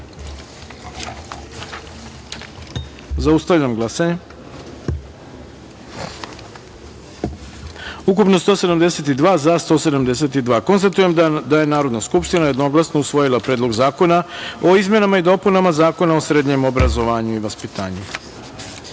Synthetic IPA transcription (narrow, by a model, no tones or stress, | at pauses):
zaust̪avʎamɡlˠasaɲe | uk̬upno̞st̪o̞ːse̞d̪amd̪e̞set̪id̪ʋaːzast̪o̞ːse̞d̪amd̪e̞s̬e̞t̪id̪ʋaːko̞nst̪at̪ujemd̪aje̞naːɾo̞d̪naskupʃt̪inaje̞d̪no̞ɡlˠasnousʋo̞jilˠapɾed̪lˠo̞ɡzaːko̞naoizme̞namaid̪o̞punamazaːko̞nao̞sɾeːd̪ɲe̞mo̞bɾazo̞ʋaːɲuiʋaspit̪a̰ːɲu